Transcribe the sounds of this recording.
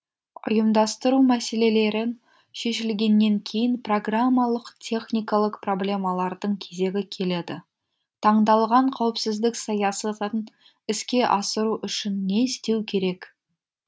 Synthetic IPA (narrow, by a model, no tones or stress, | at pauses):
ʊ̰jəmd̪ɑst̪əɾumæse̞le̞le̞ɾɪn | ʃe̞ʃɪlɡʲe̞nːe̞ŋkʲʰe̞jɪnpro̞ɡramːalˠəqt̪ʲʰe̞χnʲijkɑlˠəqpro̞blʲe̞mɑlˠɑɾd̪əɴkʲʰe̞ze̞ɡʲɪkʲʰe̞le̞d̪ɪ | t̪ʰɑɴd̪ɑlˠʁɑɴqʰɑwəpsɪzd̪ɪksɑjɑsɑt̪ən | ɪskʲe̞ʔɑsəɾuʔʏʃɪnːe̞st̪e̞wkʲʰe̞ɾe̞k